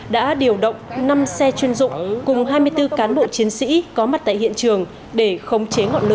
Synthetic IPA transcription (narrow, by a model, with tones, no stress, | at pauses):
ɗa̰ː˧˥ɗi˨˩əwɗə̰˧˨wŋ͡mna˧msɛ˧t͡ɕwi˧ənzʊ̰˧˨ŋ͡mkʊ˨˩ŋ͡mɦaː˧jmɨ˧əjt̪ɨ˧kaː˨˦nɓo̰˧˨t͡ɕi˨˦ənsḭ˧˥kɔ˨˦ma˨˩t̚t̪a̰ː˧˨jhḭ˧˨ənt͡ɕɨ˨˩əŋ | ɗe˧˩xə˧wŋ͡mt͡ɕe˨˦ŋɔ̰˧˨nlɨ̰˧˦